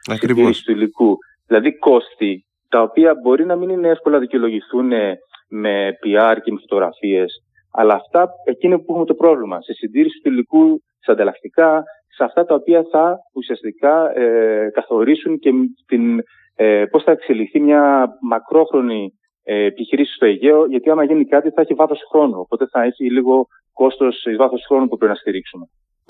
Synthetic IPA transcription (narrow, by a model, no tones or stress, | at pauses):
siniisist̪uiliku | ðilɐðiko̞st̪i | t̪ɐo̞piɐbo̞ɾinɐminine̞efko̞lɐðiceolo̞ʝiθuneme̞piɐɾcemefo̞t̪oɣɾɐ̰fie̞s | ɐ̰lɐːft̪ɐe̞cinopuxumet̪opɾo̞vlimɐsesind̪iɾisi̥st̪uilikut̪i̥sɐnd̪ɐlɐkt̪ikɐ | seɐft̪ɐt̪ɐopiɐθɐusiɐst̪ikɐ | kɐθo̞ɾisuŋce̞t̪in | po̞sθɐekseliθimɲɐmɐkɾo̞xɾo̞ni | eːpiçiɾisi̥st̪o̞eʝe̞o̞ʝɐt̪iɐmɐʝinikɐt̪iθɐeçivɐθo̞sxɾo̞nuo̞pot̪e̞θɐeçiliɣo̞ | ko̞st̪o̞sizvɐθo̞sxɾo̞nupupɾeinɐst̪iɾiksume̞